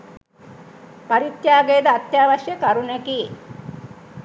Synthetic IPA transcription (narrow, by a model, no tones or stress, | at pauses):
paɾit̪jaːɡejd̪əat̪jaːʋaʃjəkaɾunɛki